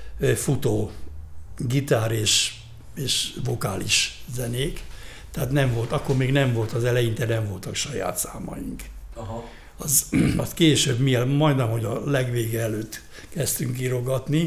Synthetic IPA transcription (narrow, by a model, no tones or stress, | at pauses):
fut̪oː | ɡit̪aːɾeːʃ | eːʃvo̞kaːlḭʃzɛneːk | t̪ɛaːt̪nɛɱvo̞lt̪ɒkːormeːɡnɛɱvo̞lt̪ɒzɛlɛjint̪ɛnɛɱvo̞lt̪ɒkʃɒja̰ːt̪saːmɒ̰jḭŋk | ɒzɒskeːʃøːbmielmɒjd̪nɛmho̞ɟɒlɛɡʋeːɡɛɛløːt̪ː | kɛst̪yŋkiɾo̞ɡɒt̪ni